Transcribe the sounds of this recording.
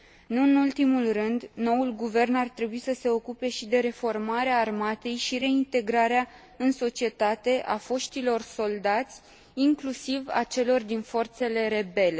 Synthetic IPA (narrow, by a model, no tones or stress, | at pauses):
nuɨnult̪imulrɨnd̪no̞ulɡuve̞rnart̪ɾe̞buisəse̞o̞kupe̞ʃid̪e̞ɾe̞fo̞rmaɾeaːrmat̪e̞jʃiɾe̞int̪e̞ɡɾaɾea | ɨnso̞t͡ʃie̞t̪at̪e̞ʔa̰fo̞ʃt̪ilo̞rso̞ld̪at̪sʲ | iŋklusiva̰t͡ʃe̞lo̞rd̪info̞rt̪se̞le̞ɾe̞be̞le̞